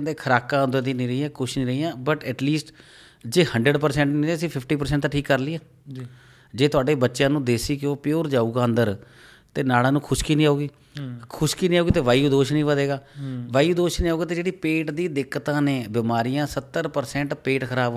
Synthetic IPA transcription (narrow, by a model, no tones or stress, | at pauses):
nd̪eːkʰəɾaːkãːənd̪əd̪iːnĩːɾəɦiːãːkʊʃnĩːɾəiːjãːbəʈɛːʈliːsʈ | d͡ʒeːhəɳɖɾəɖpəɾsɛ̃ːɳʈnĩːeːəsĩːpʰɪpʰʈiːpəɾsɛ̃ːɳʈt̪ːaːʈʰiːkːəɾliːãː | d͡ʒeːt̪ʊaːɖeːbətːʃjãːnũːd̪eːsiːkɪoːpɪjoːɾd͡ʒaːuːɡaːənd̪əɾ | t̪eːnaːlãːnũːkʰʊʃkiːnĩːaːuːɡiː | kʰʊʃkiːnĩːaːuːɡiːt̪eːʋaːjuːd̪oːʃnĩːʋəd̪eːɡaːʋaːiuːd̪oːʃnĩːaːuːɡaːt̪eːd͡ʒeːɽiːpeːʈd̪iːd̪ɪkːət̪ãːneːbɪmaːɾɪjãːsət̪ːəɾpəɾsɛ̃ːɳʈpeːʈkʰəɾaːb